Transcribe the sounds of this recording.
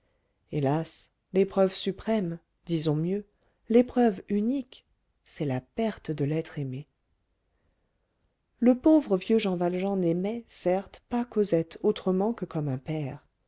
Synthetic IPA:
elas | lepχœvsypχɛm | d̪izɔ̃mjø | lepχœvynik | sɛlapɛʁt̪əd̪əlɛt̪χeme | ləpovʁəvjøʒɑ̃valʒɑ̃nɛmɛsɛʁt̪pakozɛt̪ʰot̪χəmɑ̃kəkɔmɛ̃pɛːʁ

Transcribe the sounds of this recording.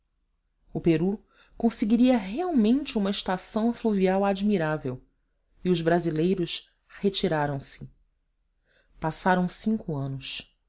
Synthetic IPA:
ʊpeɾu | kõseɡiɾiɐɦeawmẽnt͡ʃɪũmɐɪʃt̪asɐ̃w̃fluviawad͡ʒmiɾavew | iʊzbɾazilejɾʊʃ | het͡ʃiɾaɾɐ̃w̃sɪ | pasaɾɐ̃w̃sĩŋkʊɐ̃nʊs

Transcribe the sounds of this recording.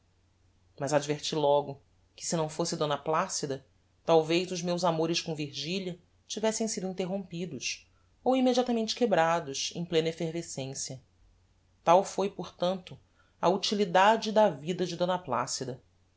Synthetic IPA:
mɐzad͡ʒveɾt͡ʃilɔɡʊ | kɪ̥sɪnɐ̃w̃fosɪd̪õnɐplasid̪ɐ | t̪awvejzʊzmewzamoɾɪskõviɾʒiljɐ | t͡ʃivɛsẽj̃sid̪ʊĩnt̪eɦõmpid̪ʊs | owimed͡ʒiat̪ɐmẽnt͡ʃɪ̥kebɾad̪ʊsḛ̃j̃plẽnɐefeɾvesẽsjɐ | t̪awfojpoɾt̪ɐ̃nt̪ʊ | ɐut͡ʃilid̪ad͡ʒɪd̪ɐvid̪ɐd͡ʒɪd̪õnɐpla̰sid̪ɐ

